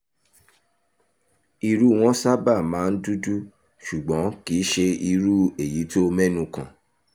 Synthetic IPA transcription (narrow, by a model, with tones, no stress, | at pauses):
i˧ɾu˦˨w̃ɔ̃˦sa˦ba˦˨mãː˨˦n̩˦du˦du˦ | ʃu˨ɡ͡bɔ̃˨˦ki˨˦ʃe˧i˧ɾu˦e˨ji˨˦to˦˧mɛ˦nũ˧kã̰˨